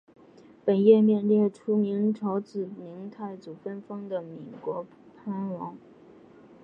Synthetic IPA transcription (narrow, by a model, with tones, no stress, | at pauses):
pə˨˩njɛ˥˧mjɛ˥˧nljɛ˥˩ʈ͡ʂʰu˥mi˧˥ŋʈ͡ʂʰo˧˥ʊt͡sɹ̩˨˩mi˧˥ŋt̪ʰa˥˩ɪt͡su˨˩fə˥nfɤ˥ŋd̪ə˨mi˨˩kwɔ˧˥ | pʰa˥nwɑ˧˥ŋ